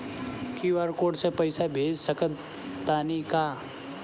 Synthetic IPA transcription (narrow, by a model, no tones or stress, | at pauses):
kiʋaːɾkoːɖsepɐɪsabʱeːd͡ʒsəkə | t̪aːnikaː